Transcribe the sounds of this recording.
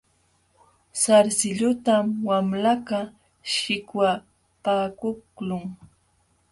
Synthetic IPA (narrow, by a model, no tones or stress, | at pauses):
saɾsɪʎʊt̪amwamlaka | ʃɪkwa | paːkʊklʊŋ